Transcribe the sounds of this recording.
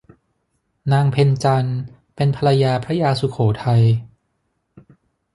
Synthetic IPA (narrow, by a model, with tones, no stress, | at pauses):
naː˧ŋpʰe˧nt͡ɕa˧n | pe˧npʰa˧la˧jaː˧pʰɾa˦˥jaː˧su˨˩˦kʰoː˩˦t̪ʰa˧j